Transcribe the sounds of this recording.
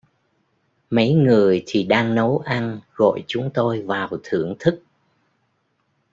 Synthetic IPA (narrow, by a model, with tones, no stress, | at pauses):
mə˨˦jŋɨ˨˩əjt̪ʰi˨˩ɗaː˧ŋnə˨˦wʔa˧nɣɔ̰˧˨jt͡ɕʊ˨˦ŋ͡mt̪o˧jvaː˨˩wt̪ʰɨ˧˩əŋt̪ʰɨ˦˥k̚